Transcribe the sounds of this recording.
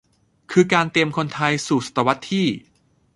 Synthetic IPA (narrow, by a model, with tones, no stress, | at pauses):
kʰɯː˧kaː˧nt̪i˧əmkʰo˧nt̪ʰa˧jsuː˨˩sḁ˨˩t̪ːa˧wa˦˥t̪ʰːiː˥˩